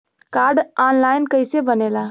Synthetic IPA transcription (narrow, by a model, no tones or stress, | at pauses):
kaɾɖanlaɪnkəjsebənela